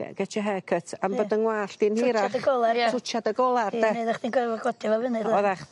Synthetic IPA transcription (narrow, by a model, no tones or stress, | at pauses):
ɡ̥ɛt͡ʃʰəɦɛkʰətʰambədənwaːɬd̥inhiɾaaəɡɔlˠatʰʊt͡ʃadəɡɔlˠardɛneðaχd̥inɡɛvɔɡɔdivɛvɪnɨɔðaχ